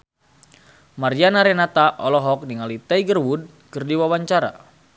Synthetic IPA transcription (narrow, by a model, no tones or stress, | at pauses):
maɾianaɾɛnat̪aʔɔlɔɦɔk̚niŋalit̪ɛiɡərwud̚ | kərdiwawaɲt͡ʃaɾa̰